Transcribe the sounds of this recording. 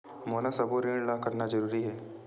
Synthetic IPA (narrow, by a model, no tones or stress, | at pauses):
moːnasɐboɾẽːɽlaːkɐɾnad͡ʒɐɾuːɾiɦɛː